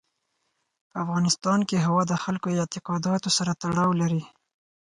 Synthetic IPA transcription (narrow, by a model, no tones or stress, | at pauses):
pəafɣɑnɪst̪ɑnkeɦawɑd̪əxalkojɪt̪ɪqɑd̪ɑt̪osaɾat̪aɽɑwlaɾi